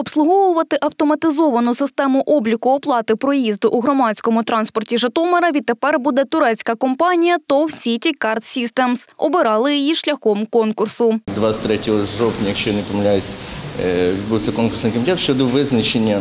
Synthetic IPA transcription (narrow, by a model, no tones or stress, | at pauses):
ɔpslˠʊɦɔʋʊʋɐt̪ɪʔɐwt̪ɔmɐt̪ɪzɔʋɐnʊsɪst̪ɛmʊʔɔblʲikʊɔplˠɑt̪ɪpɾɔjizd̪ʊʔuɦɾɔmɑt͡sʲkɔmʊt̪ɾɑnspɔrtʲiʒɐt̪ɔmɐɾɐʋʲid̪̚t̪ːepɛrbud̪ɛt̪ʊɾɛt͡sʲkɐkɔmpɑnʲijɐt̪ɔwsʲitʲikɑrt̪sʲist̪ɛmsɔbɪɾɑlˠɪjijiʃlʲɐxɔmkɔnkʊrsʊd̪ʋɑt̪ɾɛtʲɔɦɔʐɔwt̪ʲnʲɐjɐkʃt͡ʃɔjɐnɪpɔmɐlʲajɪsʲ | ʋʲid̪̚buwsʲɐkɔnkʊrsnɪjkɔmʲɪt̪ʲɛt̪ʃt͡ʃɔd̪ɔʋɪznɐt͡ʃenʲːɐ